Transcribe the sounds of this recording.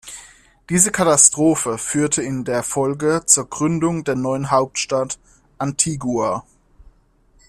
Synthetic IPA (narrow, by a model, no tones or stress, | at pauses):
d̥iːzəkʰatastʁ̥oːfəfyːɐtʰəɪndeːɐfɔlɡət͡suːɐɡʁʏndʊŋdeːɐnɔʏənɦaʊp̚tʃtat | ʔantʰiːɡua